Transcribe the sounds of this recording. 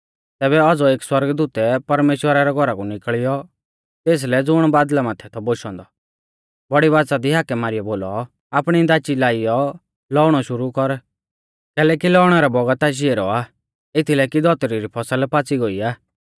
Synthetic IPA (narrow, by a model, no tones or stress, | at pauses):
t̪ɛːbɛɔd͡zɔeːkswɐɾɡd̪uːt̪ɛpɐɾmeːʃwəɾaɾɛɡʱɔɾakunɪkɭɪjɔ | t̪eːs̬lɛd͡zʊɽ̃baːd̪lamaːt̪ʰɛt̪ʰɔboʃɔ̃ːnd̪ɔ | bɐɽiʋaːt͡sad̪iɦaːkɛmaːɾɪjɔboːlɔ | aːpɽ̃id̪aːt͡ʃilaːɪjɔ | lɔːɽ̃ɔʃʊɾukɔɾ | kɛːlɛːkilɔːʊɽ̃ɛɾɛbɔɡət̪aːʃ̬iɛɾɔaː | ɪt̪ʰilɛkid̪ɔt̪ɾiɾipʰɔsəlpaːt͡siɡoiaː